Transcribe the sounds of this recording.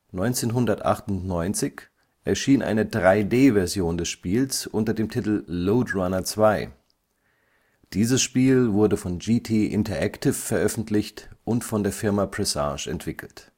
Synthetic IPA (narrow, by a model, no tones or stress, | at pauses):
nɔʏnt͡seːnɦʊndɐtʔa̰χtʊntnɔʏnt͡sɪç | ʔɛɐʃiːnʔa̰ɪnədʁaɪdeːvɛɐzjoːndɛsʃpiːlsʔʊntɐdeːmtʰɪtl̩loːtʁanɐt͡sv̥aɪ | d̥iːzəsʃpiːlvʊɐdəfɔnd͡ʒitʰiːʔɪ̰ntɐʔɛktʰɪfːɛɐʔœfn̩tʰlɪçtʔʊntfɔndeːɐfɪɐmapʁ̥ɛsa̰ːʃɛ̰ntv̥ɪkʰl̩t